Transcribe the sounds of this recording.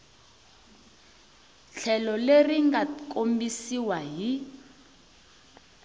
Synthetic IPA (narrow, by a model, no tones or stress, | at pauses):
ɬʰɛlɔleriŋɡakʼombisiwaɦi